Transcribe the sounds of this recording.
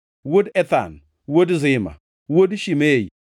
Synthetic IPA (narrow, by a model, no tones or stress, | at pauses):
wodɛt̪a̰n | wodzɪma̰ | wodʃimej